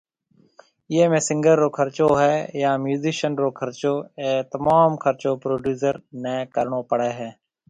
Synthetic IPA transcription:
jeːmẽːsɪ̃ŋɡəɾːoːkʰəɾt͡ʃoːɦɛːjaːmjuːziːʃənɾoːkʰəɾt͡ʃoːeːt̪əmaːmkʰəɾt͡ʃoːpɾoːɖjuːzəɾnɛ̃ːkəɾɳoːpəɽeːɦɛː

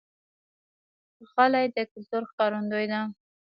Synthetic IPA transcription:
xalajd̪əkʊlt̪oɾxkɑɾand̪ojd̪a

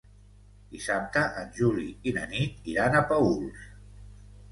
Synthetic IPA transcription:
d̪isap̚t̪əʔənʒuliinə̰nit̪iɾanəpəulˠs

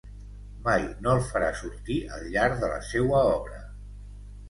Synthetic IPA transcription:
majnoəlˠfəɾasuɾt̪iə̰lˠʎaɾðələ̰sewəɔβɾə

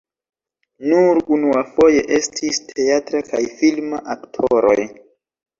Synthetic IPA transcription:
nuɾunuafo̞je̞ʔe̞stʰistʰe̞atɾaka̰jfilmaʔaktʰoɾo̞̰j

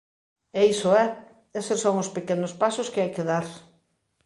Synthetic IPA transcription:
eisoɛ | esesoŋʊspekenʊspasʊskɪajkeðaɾ

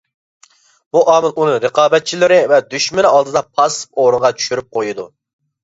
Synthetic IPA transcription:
buʔɑːmɨlunɨŋɾəqɑːbɛt̪̚t͡ʃʰilɪɾɪvɛd̪yʃmɪɾɑlˠd̪ɨd̪ɑpʰɑspoɾəʁɑt͡ʃʰy̥ʃyɾyp̚qʰojud̪u

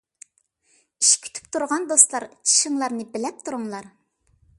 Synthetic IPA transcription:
iʃkʲʰy̥t̪ʰy̥pt̪ʰuɾʁɑnd̪ost̪lˠɑɾt͡ʃʰi̥ʃɪŋlˠɑɾnɨbɪlɛp̚t̪ʰuɾuŋlˠɑɾ

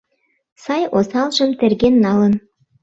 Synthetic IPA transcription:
sɑjosɑlʒəmt̪erɣenːɑlən

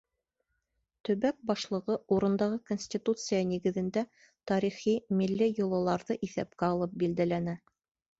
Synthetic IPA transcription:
t̪ɵ̆βæk̚bɑʃlˠɤ̆ʁɤuɾɤ̆nd̪ɑʁɤkonʲsʲtʲit̪ut̪sɨjɑniɡɘ̆ðɘ̆nd̪æ | t̪ɑɾiχimilːɘjŭlˠɤ̆lˠɑɾðɤʔiθæp̚kæɑlˠɤp̚bild̪ælænæ

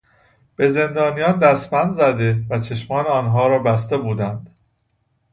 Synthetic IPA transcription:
b̥e̞ze̞nd̪ɒːnijɒːnd̪æsmænd̪zæd̪e̞væt͡ʃʰe̞ʃmɒːneɒːnɦɒːɾɒːbæst̪e̞buːd̪ænd̪̥

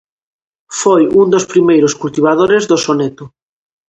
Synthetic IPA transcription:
fojund̪ospɾimejɾoskult̪iβ̞aðoɾezðosonɛt̪ʊ

